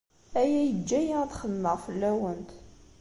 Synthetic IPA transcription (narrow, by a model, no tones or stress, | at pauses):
æjæjəd͡ʒːæjaθχəmːəʁfəlːæwənt̪